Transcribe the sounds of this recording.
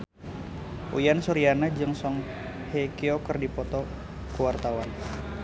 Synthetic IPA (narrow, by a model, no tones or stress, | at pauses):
ʔujansɔɾianad͡ʒɨŋsɔŋ | hekiɔkərdipɔt̪ɔ | kuwart̪awan